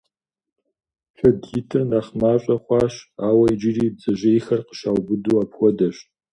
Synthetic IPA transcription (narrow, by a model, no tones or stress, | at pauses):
xɐdɡɪtʰɨrnaχmaːɕʷʼɐχʷɑːɕaːwɐid͡ʒɪriːb̚zɐʒɐixɐrqə̥ʃaːwbɨduaːpxʷɔdɐɕtʼ